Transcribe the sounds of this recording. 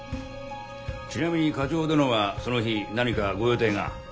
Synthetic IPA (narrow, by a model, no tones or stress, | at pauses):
t͡ɕinamʲiɲ̟ikad͡ʑo̞ːd̪anoβaso̞no̞çinaɲ̟ikaɡo̞joːt̪e̞ːŋa̰